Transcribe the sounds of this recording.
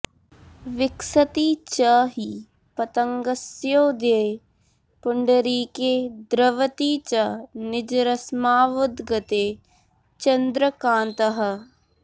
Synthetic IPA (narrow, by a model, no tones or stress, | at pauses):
ʋɪksət̪iːt͡ʃəɦi | pɐt̪əŋɡɐsjoːd̪e | pʊɳɖəɾiːkeːd̪ɾɐʋət̪iːt͡ʃɐnɪd͡ʒɾɐsmaːʋʊd̪ɡɐt̪eː | t͡ʃɐnd̪ɾəkãːnt̪əɦɐ̆